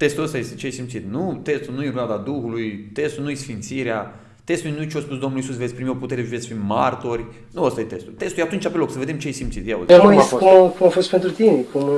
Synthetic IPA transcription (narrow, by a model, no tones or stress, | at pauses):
t̪e̞st̪uləst̪ajest̪et͡ʃeejsimt̪sit̪nut̪est̪ulnujeɾad̪ad̪uxulujt̪est̪ulnujesfint̪siɾea | t̪e̞st̪ujnuet͡ʃeospusd̪omnluisusvet̪sʲpɾimio̞put̪eɾeʒuvesʲfimmːart̪o̞rʲ | nuəst̪ajet̪e̞st̪ult̪e̞st̪ujat̪unt͡ʃapelo̞ksəve̞d̪emt͡ʃeesimt̪sit̪jao̰zemuaskumkumafost̪pent̪ɾut̪inekum